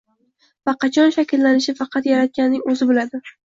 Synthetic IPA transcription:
vaqʰɑt͡ʃʰɒnʃakʲɪlːanɪʃɪfɑqʰɑt̪jaɾat̪̚kʲanːɪŋɵzɪbɪlad̪ɪ

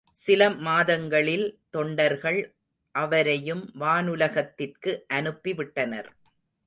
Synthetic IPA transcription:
sɪlɐmaːðɐŋɡɐɭɪlt̪ɔɳɖɐɾɣɐɭ | ʔɐʋɐɾɐjɯmʋaːnɯlɐɣɐt̪ːɪrkɯʔɐnɯpːiʋɪʈːɐnɐ̰ɾ

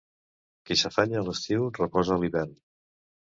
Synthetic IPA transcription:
kisəfaɲəːləst̪iwrəpɔzəːliβɛrn

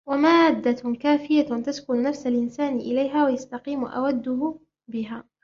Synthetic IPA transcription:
wamaːd̪ːakaːfɪjat̪askʊnnafsalʔɪnsaːnɪʔɪlajɦaːwajast̪ɑqiːmʔa̰wad̪ːʊhʊ | bɪɦaː

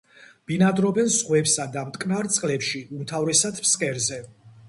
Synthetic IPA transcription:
b̥inad̪ɾɔbɛnzʁwɛpsad̪amt̪ʼkʼnaɾt̪sʼqʼlɛpʃiumt̪ʰavɾɛsad̪pskʼɛɾzɛ

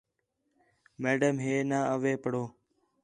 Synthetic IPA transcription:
meːɖəmɦeːnaːəʋeːpəɽoː

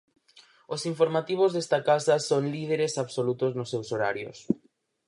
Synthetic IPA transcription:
ʊsiɱfoɾmat̪iβ̞ʊzðest̪ɐkasɐsoŋlið̞eɾesaβsolut̪ʊznʊsːewsoɾa̰ɾjʊ̰s

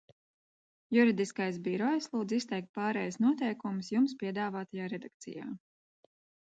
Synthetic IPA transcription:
juɾid̪iskajs̬biɾɔjslˠuːd̪zist̪ɛjk̚t̪̚pɑːɾɛjsnuɔt̪ɛjkumsjumspiɛd̪aːvaːt̪ajaːɾɛd̪ak̚t̪sḭja̰ː

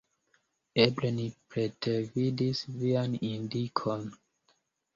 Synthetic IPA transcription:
eblenipɾetevidisvianĩndikʰɔn

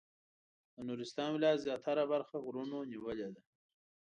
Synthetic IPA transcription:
d̪ənuɾɪst̪ɑːnwlɑːzjɑt̪ʰaɾabaɾxaɣɾunoniwəled̪a

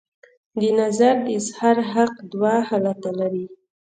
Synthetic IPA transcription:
d̪ənazaɾɪshaɾɦaqd̪wahalat̪alaɾi

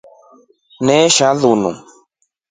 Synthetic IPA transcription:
nɛʃaðunṵ̃

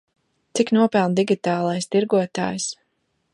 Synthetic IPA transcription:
t̪siknuɔpɛlˠnd̪iɡʲit̪aːlˠajst̪iɾɡuɔt̪a̰ːjs

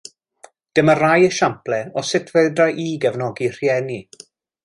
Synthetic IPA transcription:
d̥ɪmərajəʃamplɛɔsɪtʰveɨdraʔiːɡɛvnɔɡir̥jɛni

